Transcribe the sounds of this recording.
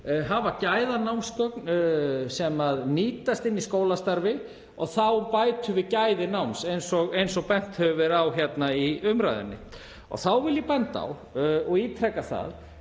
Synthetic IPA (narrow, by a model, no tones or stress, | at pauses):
ɦavacajðanawmskœknsɛmaðniːt̪ast̪ɪnːiskoːwlast̪aɾvɪ | ɔɣθawpajt̪ʏvɪcajðɪnawmsejnsɔɣejns̬ɔɣpɛn̥t̪hœvʏvɛɾawçjɛt̪naiʏmɾa̰jðɪ̰nːɪ̰ | ɔ̰ɣθawvɪlːɪpɛnt̪a̰w | ɔɣiːt̪ʰɾɛkːaθa̰ð